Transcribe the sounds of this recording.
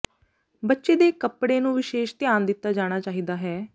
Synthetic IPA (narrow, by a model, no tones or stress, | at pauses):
bətːʃeːd̪eːkəpɽeːnũːʋɪʃeːʃt̪ɪjaːnd̪ɪt̪ːaːd͡ʒaːɽ̃aːt͡ʃaːɦiːd̪aːɦɛː